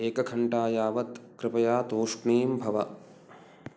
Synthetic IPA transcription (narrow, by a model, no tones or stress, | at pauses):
eːkɐkʰɐɳʈaːjaːʋɐt̪kɾɪpɐjaːt̪oːʂɳiːmbʱɐʋɐ